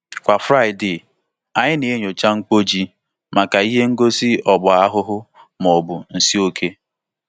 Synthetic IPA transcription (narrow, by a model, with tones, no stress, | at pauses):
kʷa˨fɾa˦ɪ˨dɪ˨ | a˨ɲɪ˦ne˨e˦ɲo˨t͡ʃa˦ŋ̩˦k͡po˦d͡ʒi˦ | ma˨ka˨i˦ɦe˦ŋ̩˦ɡo˦si˦ɔ˨ɡ͡bʊ˨a˦ɦʊ˦ɦʊ˦ | m˨ɔ˨bʊ˨n̩˨si˦o˦kʰe˦